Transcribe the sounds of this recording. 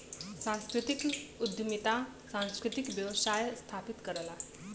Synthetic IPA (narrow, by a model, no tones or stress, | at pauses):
sãnskɾɪt̪ikud̪ʱjmit̪a | sãñskɾɪt̪ikʋjəʋsajst̪ʰapit̪kəɾəla